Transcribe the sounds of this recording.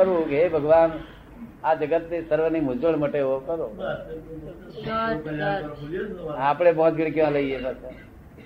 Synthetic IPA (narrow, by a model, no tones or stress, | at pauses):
kəɾʋũkeɦebʱəɡʋan | ad͡ʒəɡət̪nisəɾʋənimʊd͡ʒəɭməʈeokəɾo | apɽebɔ̃ːt͡ʃɡɪɽkjʋãləiebate